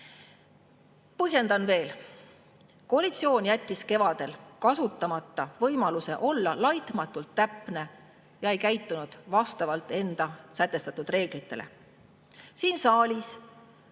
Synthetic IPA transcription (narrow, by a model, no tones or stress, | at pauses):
pɤɦje̞nd̪̥ɑnve̞ːl | ko̞ɑlit̪sio̞ːnjæt̪ʲːiske̞vɑd̪̥e̞lkɑsut̪ːˑɑmɑt̪ˑːɑvɤjmɑluse̞ʔo̞lːɑlɑjt̪mɑt̪ˑːult̪ːæpˑne̞ | jɑe̞jkæjt̪ːˑunud̪̥vɑst̪ɑvɑlt̪ːˑe̞nd̪̥ɑsæt̪ːˑe̞st̪ɑt̪ːud̪̥re̞ːɡ̥lit̪ːˑe̞lḛ | siːnsɑːlʲis